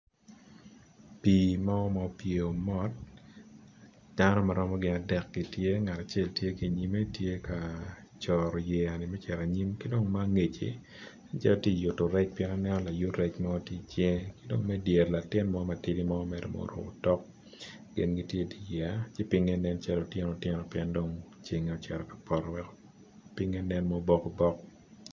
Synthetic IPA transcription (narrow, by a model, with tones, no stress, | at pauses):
pi˨mɔ˦ɔ˦mɔ˨pjo˨mɔ˦t̚ | d̥a˦nɔ˦maɾɔ˦mɔ˦ɡɪ˨na˨dɛ˨k̚ɡ̥i˨tje˦ŋa˨ta˨t͡ʃe˦ltje˦ki˨ɲi˦me˦tje˦kʰa˨ | t͡ʃɔɾɔ˨jɛ˨a˨nɪ˨mɛ˦t͡ʃɛ˨ɾa˨ɲi˦mkɪ˦do˦ŋma˦ŋe˨t͡ʃḭ˨ | a˦t͡ʃa˦lɔ˦tji˦˨ju˨tːo˨ɾɛ˦t͡ʃpjɛ˦na˦nɛ˦nɔ˦la˨ju˦tɾɛ˦t͡ʃmɔ˦tji˦t͡ʃe˦ŋkɪ˦do˦ŋmɛ˦dje˨rla˨tɪ˦nmɔ˦ma˨ti˦di˦mɔː˦mɛ˨dɔ̰mo̰˦ɾo̰˨ɔ˨tɔ˦k̚ | ɡɪ̰˨nɡi˦tje˦di˨jɛ˨a˦t͡ʃe˦pɪ˦ŋe˦nɛ˦nt͡ʃɛ˦lo˨tjɛ˦nɔ˨tjɪ˦nɔ˨pjɛ˦ndo˦ŋ | t͡ʃi˨ŋe˨o˨t͡ʃɛ˨ɾɔ˨kḁ˨pɔ˨ɾɔwɛ˦kɔ̥ | pi˦ŋe˦nɛ˦nmɔ˦bɔ˦kɔ˦bɔ˦k̚